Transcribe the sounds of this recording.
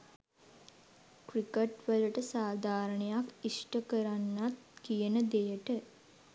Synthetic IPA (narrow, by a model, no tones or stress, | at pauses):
krikəʈʋələʈəsaːd̪ʱaːɾəɳejakisʈəkəɾanːat̪kijənəd̪ejəʈə